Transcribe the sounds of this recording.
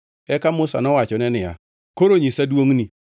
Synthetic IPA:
ɛkamʊsa̰nɔwat͡ʃɔnɛnɪja̰ | koɾoɲisaduoŋni

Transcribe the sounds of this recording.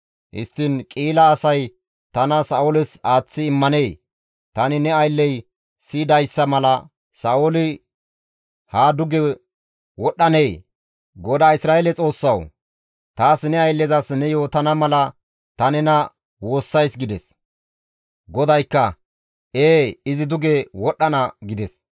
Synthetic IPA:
hɪ̰st̪ːɪnkʼiːlɐːsɐj | t̪ɐnɐsɐʔʊlɪsaːt͡sːɪːmːɐne̞ː | t̪ɐnɪnɛɐjlːɛj | siːd̪ɐjsːɐmɐlɐ | sɐʔolɪ | haːd̪ʊɡɛ | wɔɗːɐneː | ɡɔd̪aːɪsɾaːelɛt͡sʼo̞ːsːɐw | t̪aːsnɛɐjlːɛzɐsnɛjo̞ːt̪ɐnɐmɐlɐ | t̪ɐnɛnɐ | wo̞ːsːɐjsɡɪd̪ɛs | ɡɔd̪ɐjkːɐ | eːɪzɪd̪ʊɡɛwɔɗːɐnɐɡɪd̪ɛs

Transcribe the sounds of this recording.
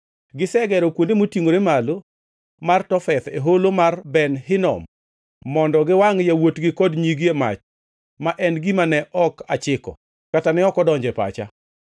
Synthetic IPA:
ɡɪsɛɡɛɾɔkwondemotiŋoɾemalo | martɔfɛt̪eɦolomarbɛnɦɪnɔ̰mː | ɔndɔɡɪwaŋjawotɡɪkɔdɲiɡiema̰t͡ʃ | maʔɛnɡimanɛʔɔkat͡ʃɪkɔ̰ | katanɛɔkɔdɔɲd͡ʒɛpa̰t͡ʃa̰

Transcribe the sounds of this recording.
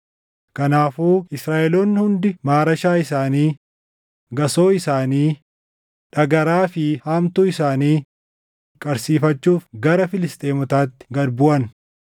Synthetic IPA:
kɐnaːfuːɪsɾaːʔɛloːnːhʊnd̪ɪmaːɾɐʃaːɪsaːniː | ɡɐsoːɪsaːniː | ᶑɐɡɐɾaːfɪhaːmt̪ʊɪsaːniː | kʼɐɾsiːfɐt͡ʃːuːfɡɐɾɐfɪlɪst̪ʼeːmʊt̪aːt̪ːɪ̥ɡɐɾbʊʔɐn

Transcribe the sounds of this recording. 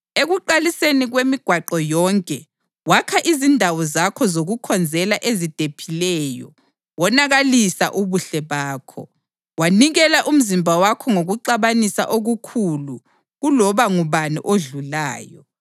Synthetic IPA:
eɣuǃaliseniɣwemiɡ̥ʱwaǃɔjɔŋkʼɛ | wakʰaʔizindʱawɔzakʰɔzoɣukʰɔnd͡zʱɛlaʔezid̥ʱepʰilɛjɔ̰ | wɔnaɣalisa̰ʔuβuɬɛβaːkʰɔ̰ | waniɣɛlaʔum̩zimbʱawakʰɔŋoɣuǃaβanisa̰ʔoɣukʰulu | ɣulɔβaŋuβanḭʔoɮula̰ːjɔ

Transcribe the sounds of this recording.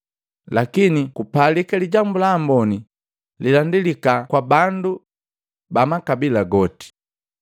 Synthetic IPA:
lakinikupalikaliɟambulaːmbɔni | lilandilikakwabandu | bamakabilaɡɔti̥

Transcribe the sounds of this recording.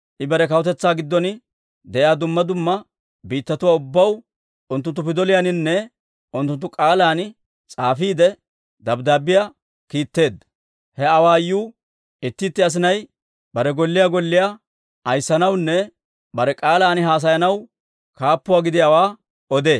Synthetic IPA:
ʔɪbɛɾɛkɐwɔt̪ɛt͡sːaːɡɪd̪ːɔn | d̪ɛʔjjaːd̪ʊmːɐd̪ʊmːɐ | biːt̪ːɐt̪ʊwaːʊbːɐw | ʔʊnt̪ʊnt̪ːʊpɪd̪ɔlɪjanɪnːɛ | ʔʊnt̪ːʊnt̪ːʊkʼaːlaːnɪ | t͡sʼaːfiːd̪ɛ | d̪ɐbd̪aːbɪja | kiːt̪ːe̞ːd̪ɐ | hɛɐwaːjuː | ɪt̪ːɪːt̪ːɪɐs̬ɪnɐj | bɐɾɛɡɔlːɪjaːɡɔlːɪja | ʔɐjsːɐnɐwnːɛ | bɐɾɛkʼaːlaːnɦaːs̬ɐjɐnɐw | kaːpːʊwaːɡɪd̪ɪjawaː | ɔd̪e̞ː

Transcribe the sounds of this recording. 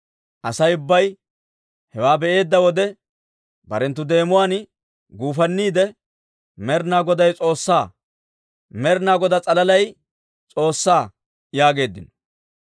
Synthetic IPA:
ʔɐsɐjʊbːɐj | hɛwaːbɛʔe̞ːd̪ːɐwɔd̪ɛ | bɐɾɛnt̪ːʊd̪e̞ːmʊwaːn | ɡuːfɐnːiːd̪ɛ | mɛɾnaːɡɔd̪ɐjt͡sʼo̞ːsːaː | mɛɾnaːɡɔd̪ɐt͡sʼɐlɐlɐj | t͡sʼo̞ːsːaː | jaːɡe̞ːd̪ːɪnɔ

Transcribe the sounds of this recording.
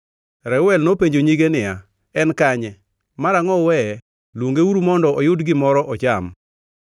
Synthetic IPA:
ɾɛwɛlnopeɲd͡ʒoɲiɡenɪja | ɛnkaɲɛ | maɾaŋɔwɛ | lwoŋɡeuɾumɔndɔɔjʊdɡɪmɔɾɔʔɔt͡ʃam

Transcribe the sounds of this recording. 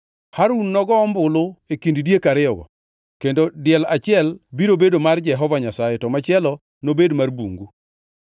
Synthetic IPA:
haɾunːɔɡɔːmbʊlʊekinddjekaɾɪɔɡɔ̰ | kendodɪɛlat͡ʃɪɛlbiɾobedomard͡ʒɛɦɔvaɲasajɛtɔmat͡ʃɪɛlɔ | nobedmarbṵŋɡu

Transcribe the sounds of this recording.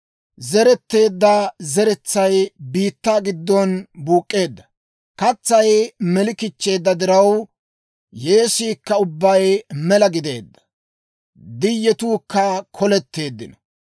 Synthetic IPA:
zɛɾɛt̪ːe̞ːd̪ːɐzɛɾɛt͡sːɐjbiːt̪ːaːɡɪd̪ːɔnbuːkʼːe̞ːd̪ːɐ̥ | kɐt͡sːɐjmɛlɪkɪt͡ʃːe̞ːd̪ːɐd̪ɪɾɐw | je̞ːsiːkːɐʊbːɐjmɛlɐɡɪd̪e̞̰ːd̪ːɐ̥ | d̪ɪjːɛt̪uːkːɐkʰɔlɛt̪ːe̞ːd̪ːɪnɔ̥

